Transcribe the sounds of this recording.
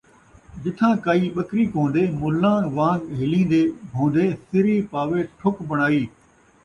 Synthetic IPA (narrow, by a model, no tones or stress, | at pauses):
d͡ʒɪt̪ʰãːkaːiːɓəkɾiːkõːnd̪eːmʊlãːʋãːɡɦɪlĩːnd̪eːbʱõːnd̪eːsɪɾiːpaːʋeʈʰʊkbɐɽ̃aːiː